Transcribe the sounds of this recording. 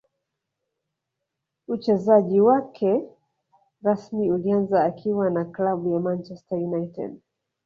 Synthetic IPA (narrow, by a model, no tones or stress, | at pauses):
ut͡ʃɛzaʄiwakʰɛ | ɾasmiulianzaːkʰiwanaklaɓujamant͡ʃɛstajunajtɛ̰d